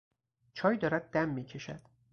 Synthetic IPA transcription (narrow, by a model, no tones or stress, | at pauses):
t͡ʃʰɒːjd̪ɒːɾæd̪̚ːæmːiːcʰe̞ʃæd̪̥